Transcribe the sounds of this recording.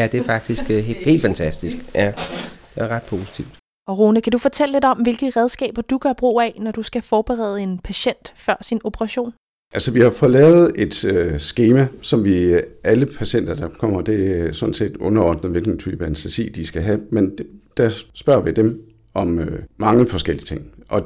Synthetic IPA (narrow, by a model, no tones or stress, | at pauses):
æd̥eæɐfɑ̈ɡ̥̚d̥isɡ̥he̝̰ːld̥fænt͡sʰæsd̥isɡ̥æd̥eæɐʁɑ̈d̥̚pʰo̝ːsi̥t͡sʰiʊd̥ | ɒʁoːnəkʰædufɒ̽t͡sʰel̰le̝d̥ɒ̽mʋe̝lɡ̥əʁɛð̞ˠsɡ̥ɛ̰ːb̥ɐd̥uɡ̥ɶɐb̥ʁṵːænɒd̥usɡ̥æfɒːb̥eʁɛ̰ːð̞̩ˠəe̝npʰæɕen̰d̥fɶɐ̰sino̝pʰəʁɑ̈ɕo̝̰ːn | ʔælsɒʋihɑ̈fɒ̽lɛ̰ːʊð̞̩ˠe̝d̥øsɡ̥eːmæsɒ̽mʋiæləpʰæɕen̰d̥ɐd̥ɑ̈kʰɒ̽m̰ɐd̥e̝æsɔ̽d̥n̩se̝̰ːd̥ɔ̽nɐɒːd̥n̩ð̩ˠʋe̝lɡ̥n̩t͡sʰy̰ːb̥ænsd̥esḭːd̥isɡ̥æɦæmend̥æsb̥ɶɐ̰ʋid̥em | ʔɒ̽mømɑ̈ŋəfɒ̽sɡ̥el̰iət͡sʰe̝ŋ̰ʔɒ̽